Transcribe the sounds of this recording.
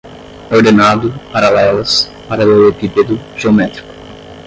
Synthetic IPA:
oɾd̪enad̪ʊpaɾalɛlɐs | paɾɐlewepiped̪uʒ̥eomɛt̪ɾi̥kʊ̥

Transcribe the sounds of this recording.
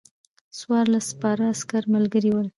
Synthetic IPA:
swɑɾlaspɑɾaːskaɾmalɡəɾiwəl

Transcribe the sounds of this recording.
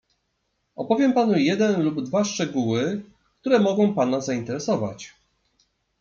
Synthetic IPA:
ɔpɔvʲjɛmpanujɛd̪ɛnlubd̪vaʂt͡ʂɛɡuwɘ | kt̪uɾɛmɔɡɔ̃w̃panazaint̪ɛɾɛsɔva̰t͡ɕ

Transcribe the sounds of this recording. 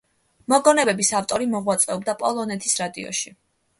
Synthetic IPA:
mɔɡɔnɛbɛbisaft̪ʼɔɾimɔʁwat̪sʼɛɔb̚d̪apʼɔlˠɔnɛt̪ʰisɾad̪ḭɔ̰ʃi

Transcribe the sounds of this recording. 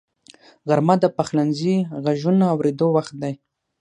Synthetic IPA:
ɣaɾmad̪əpaxlanziɣaʒunaawɾed̪owaxt̪̚d̪aj

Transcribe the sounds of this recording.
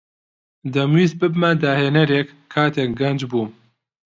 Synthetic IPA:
d̪ɐmwiːzbɨbmɐd̪aːheːnɐɾek | kʰːaːt̪ʰeːk̚ɡɐnd͡ʒbuː

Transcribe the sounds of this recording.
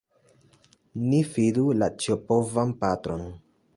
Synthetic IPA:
nifidulat͡ʃiopovanpatɾo̞n

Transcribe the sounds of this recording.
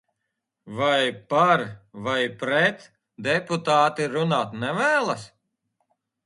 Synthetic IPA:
vajpaɾvajpɾɛt̪ | d̪ɛput̪aːt̪iɾunaːt̪nɛvæːlˠas

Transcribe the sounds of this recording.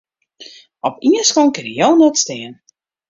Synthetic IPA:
ɔpiənskonkɪnəjownɛtstɪən

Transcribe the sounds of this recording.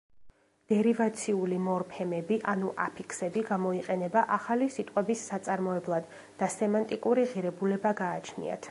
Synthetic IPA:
d̪̥ɛɾivat̪sʰiulimɔɾpʰɛmɛbiʔanuʔa̰pʰikʰsɛbiɡamɔiqʼɛnɛbaʔaχalisit̪ʼqʼwɛbisːat̪sʼaɾmɔɛblˠad̪ː | asɛmant̪ʼikʼuɾiʁiɾɛbulɛbaɡaːt͡ʃʰnḭa̰t̪ʰ

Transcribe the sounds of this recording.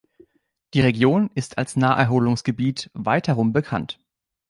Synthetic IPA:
d̥iːʁ̞eɡjoːnɪstʰalsnaːɐʔɛɐɦoːlʊŋsɡ̥əbiːtvaɪtʰɛʁʊmbəkʰa̰nt

